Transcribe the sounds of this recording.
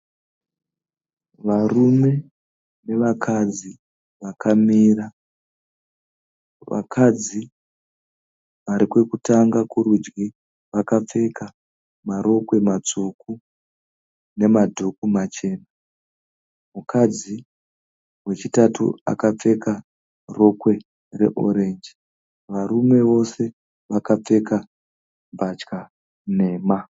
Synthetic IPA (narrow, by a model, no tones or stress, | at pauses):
ʋarume̞ | ne̞ʋakʰad͡zi | ʋakʰamiːra | ʋa̰kʰad͡zi | ʋaɾikwe̞kutaŋɡakuɾud͡ʒɡi | ʋakap͡fe̞ka | maɾo̞kwe̞mat͡suku | ne̞madʱukumat͡ʃe̞ːna | mukʰad͡zi | we̞t͡ʃitatṵa̰kap͡fe̞ka | ro̞kwe̞ | re̞̰ʔo̞ɾend͡ʒi | ʋaɾume̞ʋo̞se̞ | ʋakap͡fe̞ka | bat͡ʃka | ne̞ːma